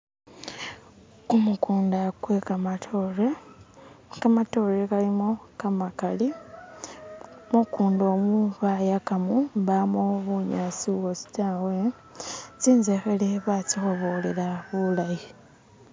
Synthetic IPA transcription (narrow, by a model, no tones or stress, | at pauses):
kumukuːndakwe̞kamatʰoɾe | kamato̞ːlekalimo̞kamakali | mukuːndoːmuβajakamuβamoβuɲaːt͡siwosi̥taːwe̞ | t͡siːnzexeleβat͡sixo̞βo̞lelaβulaji